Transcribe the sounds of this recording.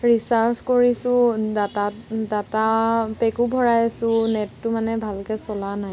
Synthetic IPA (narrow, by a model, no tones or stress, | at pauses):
ɹisaskoɹisʊ̃datadatapɛkubʱɔɹajasʊ̃nɛtːʊmanɛbʱalkɛsɔlanaj